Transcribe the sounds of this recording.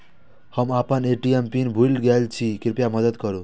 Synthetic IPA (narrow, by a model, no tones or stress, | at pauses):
hʌmapəneʈiempinbʱulɡalt͡ʃʰikiɾpjamʌd̪əd̪kɔɾu